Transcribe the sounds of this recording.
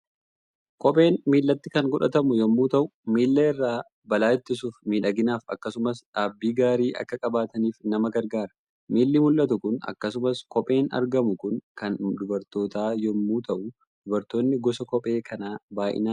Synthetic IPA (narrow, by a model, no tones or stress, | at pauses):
kɔpʼe̞ːnmiːlːɐt̪ːɪkɐŋɡɔᶑɐt̪ɐmʊjɔmːuːt̪ɐʔʊmiːlːɐɪrːaː | bɐlaːɪt̪ːɪsuːfmiːᶑɐɡɪnaːfɐ̰kːɐsʊmɐsᶑaːbːiːɡaːɾiːʔɐ̰kːɐkʼɐbaːt̪ɐniːfnɐmɐɡɐɾɡaːɾɐ̥ | miːlːɪmʊlʔɐt̪ʊkʊnɐ̰kːɐsʊmɐskɔpʼe̞ːnɐ̰ɾɡɐmʊkʊnkɐnd̪ʊbɐɾt̪o̞ːt̪aːjɔmːuːt̪ɐʔʊ | d̪̥ʊbɐɾt̪oːnːɪɡɔsɐkɔpʼe̞ːkʰɐnaːbaːjʔɪ̰naː